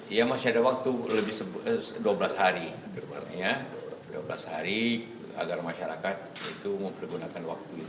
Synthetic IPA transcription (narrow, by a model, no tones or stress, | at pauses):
ijamasiadawak̚t̪uləbɪhsəbduabəlashaɾi | bəbmaɲaduabəla̰shaɾi | a̰ɡarmaʃaɾakat̪̚it̪uməmpərɡunakanwak̚t̪uit̪